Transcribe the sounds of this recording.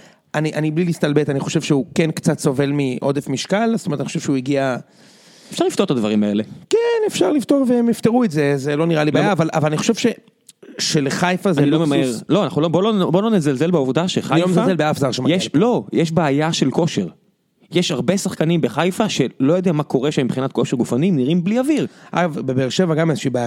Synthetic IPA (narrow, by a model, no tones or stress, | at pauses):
aniʔaniblilist̪albetaniχo̞ʃe̞vʃeukenkt͡satso̞ve̞lmiʔo̞d̪efmiʃkalztometanioʃeʃeuiɡia | efʃaʁlift̪ot̪ad̪vaʁimae̞̰le̞kenefʃaʁlift̪o̞ʁveemift̪eʁuetze̞zelo̞niʁalibajaːvala̰valaniχo̞̥ʃe̞vʃe̞ | ʃeleχajfazanilomemaeʁlo̞anaχnulobolobolonezalzelbeuvd̪aʃeχajfazelbeafzaʁʃemjeʃlo̞jeʃbeːjaʃe̞lkoʃe̞ʁ | jeʃaʁbe̞saχkanimbeχajfaʃe̞lojo̞d̪eamako̞ʁeʃemibχinat̪̚ko̞ʃeʁɡufanimniʁimbliavilʔaavbebeːʁʃevaɡamezeʃiba